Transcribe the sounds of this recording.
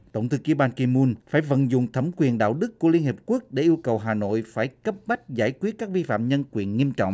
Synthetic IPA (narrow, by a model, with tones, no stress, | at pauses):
t̪ə̰˧˩wŋ͡mt̪ʰɨ˨˦ki˨˦ɓaː˧nki˧mu˧nfaː˧˩jvə̰˧˨nzʊ̰˧˨ŋ͡mt̪ʰə˧˩mkwi˨˩ənɗa̰ː˧˨wɗɨ˦˥kːu˧˩əli˧ənhi˨˩p̚ku˦˥ək̚ɗe˧˩ʔi˧əwkə˨˩wɦaː˨˩no̰˧˨jfaː˧˩jkə˦˥p̚ɓa˦˥k̟̚zaː˧˩jkwi˦˥t̚kaː˦˥k̚vi˧fa̰ː˧˨mɲə˧nkwi˨˩ənŋi˧əmt͡ɕɔ̰˧˨wŋ͡mʔ